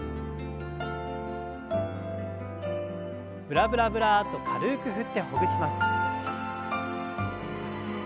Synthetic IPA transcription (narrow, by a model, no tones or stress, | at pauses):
bɯ̟ɾabɯ̟ɾabɯ̟ɾat̪o̞kʰaɾɯ̟ːkɯ̟ɦɯ̟t̪ːe̞ho̞ɡɯ̟ɕimasɨ̥